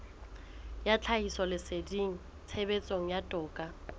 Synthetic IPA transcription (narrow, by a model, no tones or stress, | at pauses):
jat͡ɬʰaisɔlɪsediŋ̩ | t͡sʰebet͡sʼoŋ̩jatʼʊːkʼa